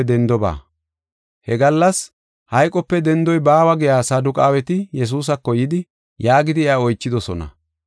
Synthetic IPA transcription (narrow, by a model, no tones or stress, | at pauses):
d̪ɛnd̪ɔba̰ː | hɛɡɐlːɐs | hɐjkʼɔpːɛd̪ɛnd̪ɔjbaːwɐɡɪjaːsɐd̪ʊkʼaːwɛt̪ɪjɛs̬uːs̬ɐkːɔjɪd̪ɪ | jaːɡɪd̪ɪɛaɔjt͡ʃːɪd̪ɔsɔnɐ̰